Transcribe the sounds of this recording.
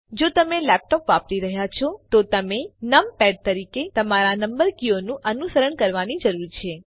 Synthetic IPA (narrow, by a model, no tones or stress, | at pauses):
d͡ʒot̪əmelɛp̚ʈopʋapɾiɾəɦjat͡ʃʰɔt̪ot̪əmenəmpɛɖ̚t̪əɾiket̪əmaɾanəmbəɾkionũʔənusəɾəɳkəɾʋanid͡ʒəɾuɾt͡ʃʰe